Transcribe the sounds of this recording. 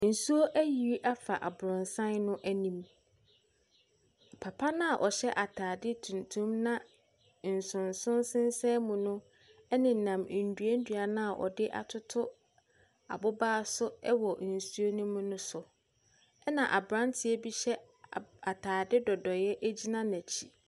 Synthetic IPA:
n̩˨su˦o˦ʔæ˦ji˨i˦ʔa˦fa˨ʔa˨bʊ˨ɾʊ̃˨nsã˦nnʊ̃˦ʔæ˦nĩ˨m | pʰa˨pʰa˦nã˦a˨ʔɔ˨ɕɛ˦ʔa˨tʰaː˨dɪ˦tʰũ˨n˨tʰũ˦mnã˦ | n̩˨sʊ̃˨nsʊ̃˦nsɪ̃˦n˦sɛ̃˦mũ˨nʊ̃˦ | ɛ˦nɪ̃˨nã˨m˨n̩˨du˨æ˦n̩˦dɥa˨nã˦a˨ʔɔ̰˨dɪ˦ʔa̰˨tʰʊ˦tʰʊ˦ | a̰˨bʊ˦baː˦sʊ˦ɛ˦wɔ˨n̩˨su˦o˦nĩ˦mũ˦nʊ̃˦sʊ˨ | ɛ˦nã˨ʔa˨bɾã˦ntʰɪ˨ɛ˦bi˦ɕɛ˦ | a˨tʰaː˨dɪ˦dɔ˨dɔ˨jɛ˦ʔæ˦d͡ʑi˦nã˦næ̃˨t͡ɕʰi̥˨

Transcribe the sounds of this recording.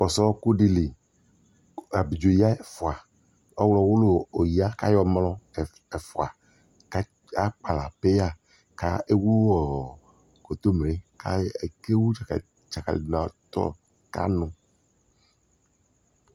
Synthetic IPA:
fɔ˨sɔ˦ku˦ɖi˦li˨ | a˨bi˨d͡ʒo˨ji˦a˦e˨fo˨a˨ | ɔ˦wlɔ˨wo˦lo˦o˨ji˦a˦ka˦jɔ˦mlɔ˦˨ | e˨fo˨a˨ | ka˦ | a˦k͡pa˨la̰˨pe˦a˦˨ | ka̰˦e˦wu˦wɔ˨ | ko˨t̪o˦mɾe˨˦ka˦e˨ke˦wu˦˨ | t͡ʃa˨ka̰˨lnã˨˦t̪ɔ̰˦ | ka̰˦nũ˨

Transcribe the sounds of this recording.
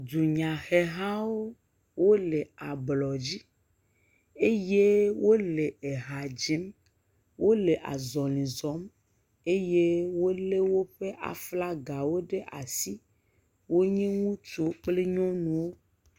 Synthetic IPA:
d̪u˨ɲã˨xɛ˨ɦã˦wo˦ | wo˦le˨a˨blɔ˨d͡ʑi˦ | e˦je˦wo˦le˨e˨ɦa˨d͡ʒi˦m | wo˦le˨ʔa̰˨zɔ˨lĩ˨zɔ˨˦m | e˦je˦wo˦le˦wo˦ɸe˦ʔa̰˨fla˦ɡa˨wo˦ɖe˦ʔa̰˨si˦ | wo˦ɲẽ˦ŋũ˦t͡ʃo˨k͡ple˦ɲɔ̃˦nũ˨wo˦

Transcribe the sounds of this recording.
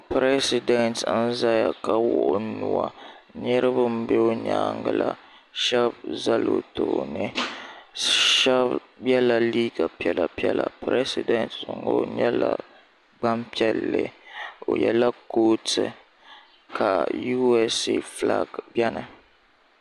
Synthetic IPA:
pɾɛ˦si˦dɛ˨ntn̩˦za˦ja˨ka˨wʊ˦ʔʊ˦nu˨wa˨ɲɛ˦ɾɨ˦bʊ˦m̩˦be˦o˦ɲa̰ː˦ŋɡɨ˨la˨ | ʃɛ˦b̚za˦lo˨to˨nɨ˦ | ʃɛ˦b | jɛ˦la˨liː˦ɡa˨pi˦ɛ˨la˨pi˦ɛ˦la˨pɾɛ˦si˨dɛ˨ntŋ˦ɡo˦ɲɛ˦la˨ | ɡ͡ba˦mpi˦ɛ˦lːɨ˨o˨jɛ˨la˦koː˦tɨ˨ | kʰa˨ju˦ɛ˦si˦fla̰˦ɡbjɛ˦nɨ˨

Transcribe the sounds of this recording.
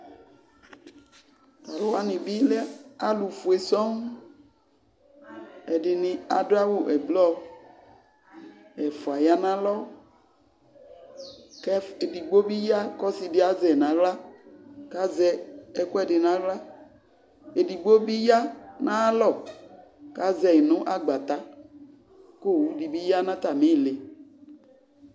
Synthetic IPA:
ta˨lo˦wa˦nĩ˨bi˦le˦a˦lu˨fu˨e˨sɔ˦ŋ | ɛ˨ɖɪ˨nĩ˨a˨do˦a˦wo˦ʔɛ˨blɔ˦ | e˨fo˨a˨ja˦nã˦lɔ˦ | kɛ˦e˨di˨ɡ͡bo˦bi˦ja˦kɔ˦si˨dɪ˦a˨zɛ˨nã˨ɣla˦ka˦zɛ˦˨kɔ˦ɛ˦ɖɪ˨nã˦ɣla˦ | e˨di˨ɡ͡bo˦bi˦ja˦nã˦lɔ˦˨ | ka˦zɛ˨nõ˦ʔa˨ɡ͡ba˨t̪a˦ | ko˦˨wu˦di˨bi˦ja˦nã˦t̪a˨mẽ˦˨le˨

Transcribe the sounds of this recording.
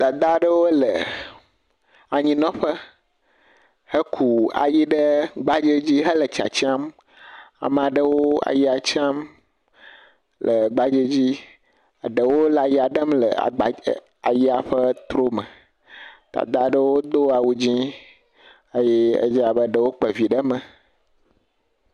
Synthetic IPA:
d̪̥a˨d̪a˦ɖə˦wo˦lə˨ | a˨ɲĩ˨nɔ̃˦ɸə˦ | hə˦kʰu˨a̰˨ji˦ɖə˦ɡ͡ba˦d͡ʒe˦d͡ʑi˦ɦə˦lə˨t͡ʃa̰˨t͡ɕi˦a˦m | a̰˨m̃˨ã˨ɖə˦wo˦a̰˨ji˦a˨t͡ʃa˦m | lʔə˨ɡ͡ba˦d͡ʒe˦d͡ʑi˦ | a˨ɖə˨wo˦la˨ji˦a˨ɖə˦mlə̰˨a̰˨a˨ | a˨ji˦a˨ɸə˦t̪ɾo˦mə̃˨ | t̪a̰˨d̪a˨ɖə˦wo˦d̪o˦a˨wu˦d͡ʑĩ˦ | ə˦jɛ˦ə̰˦d͡ʒa˨bə˦ɖə˨wo˦k͡pə˨vi˨ɖə˦mə̃˨

